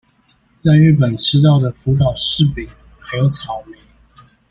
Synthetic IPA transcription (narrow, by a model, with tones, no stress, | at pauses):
t͡sa˥˧ɪy˥˩pə˨˩nt͡ɕʰi˧˥t̪ɑ˥˩ʊd̪ə˩fu˧˥t̪ʰɑ˨˩ʊʂɻ̩˥˩pi˨˩ŋ | xɤ˨˧˥t͡sʰɑ˨˩ʊmi˨˦ŋ